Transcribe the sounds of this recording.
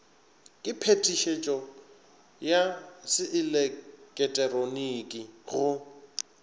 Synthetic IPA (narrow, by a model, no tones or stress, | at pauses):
kʼɪpʰetʼiʃet͡ʃʼɔ | jasɪʔɪlɛkʼɛtʼɛronikʼiɣʊ